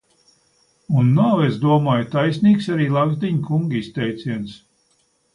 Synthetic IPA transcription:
unːawezd̪uɔmaːjt̪ajsniːksaɾiːlˠaɡzd̪iɲkuŋɡist̪ɛjt̪sʲiɛns

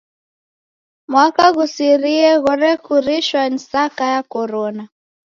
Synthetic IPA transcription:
mwakaɣusiɾiɛɣɔɾɛkuɾiʃwanisakajakɔɾɔna

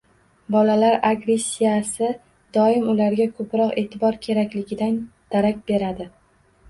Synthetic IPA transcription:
bɒlalaɾaɡɾe̞sʲːijasɪ | d̪ɒɪmʊlaɾɡʲakʰɵpɾɒqe̞ːt̪ʰɪbɒɾkʲʰe̞ɾakʲlɪɡʲɪd̪and̪̥aɾakʲbe̞ɾad̪ɪ

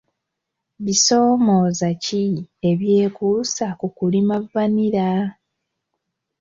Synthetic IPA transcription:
βiso̞ːmo̞ːzacie̞βje̞ːkuːsakukulimavːaniɾa

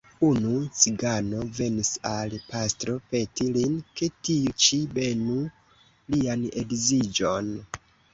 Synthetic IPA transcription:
unut͡siɡano̞ve̞nisalpastɾo̞pe̞tilinke̞tiut͡ʃibe̞nu | lianḛɡzid͡ʒon

